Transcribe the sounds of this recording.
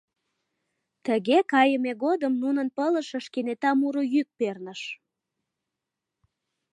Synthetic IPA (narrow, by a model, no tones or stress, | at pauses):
t̪əɣekɑjəmeɣod̪əmnunənpələʃəʃkenet̪ɑmuɾojyk̚pernəʃ